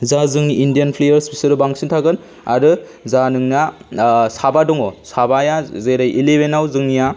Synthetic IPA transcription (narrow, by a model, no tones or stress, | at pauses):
zazɯŋindijanpʰlejɐɾspisɯɾɯbaŋsintʰaɡɯn | a̰ɾɯ | zanɯŋnasabadɔŋɔsabajazeɾajʔilebenawzɯŋnija